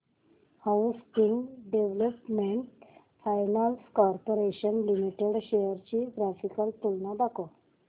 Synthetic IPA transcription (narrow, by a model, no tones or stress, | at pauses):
hauskiŋɡɖeʋləpmeɳʈ | fajnalskɔɾpoɾeɕənlimiʈeɽɕejəɾt͡ɕiɡɾafikəlt̪ulnad̪ako